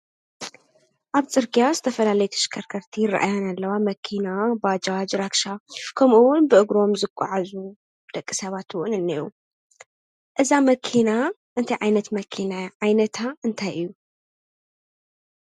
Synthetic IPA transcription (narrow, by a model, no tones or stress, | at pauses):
ʔaβt͡sʼɨɾɡijazɨt̪ʰɐfɐlalɐjut̪ʰɐ̥ʃkʰɐɾkʰɐɾt̪ʰijɪrːa̰ʔa̰jo̞nalːɐwamɐkʰinabad͡ʒad͡ʒɾakʃakʰɐmʔuwʊnbɨʔɨɡɾo̞mzɨkʷʼːa̰ʕazu | bɨd̪̥ɐkʼːisɐβat̪ɨwunɨnːiu | ʔɨzamɐkʰina | ʔɨnt̪ʰɐjʕajnɐt̪mɐkʰinajʕajnɐt̪ʰaɨnt̪ʰajʔɨjːu